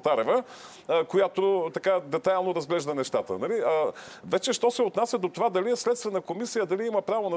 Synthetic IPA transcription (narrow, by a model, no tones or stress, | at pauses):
t̪aɾɛvə | kojat̪ot̪ɐkad̪ɛt̪ajlˠnoɾɐzɡlɛʒd̪ənɛʃt̪at̪ə̰nɐliə | vɛt͡ʃɛʃt̪ɔsɛot̪nasʲjɐd̪ot̪ovad̪ɐliɛslɛt̪st̪vɛnəkomisijəd̪ɐliimɐpɾavonɐ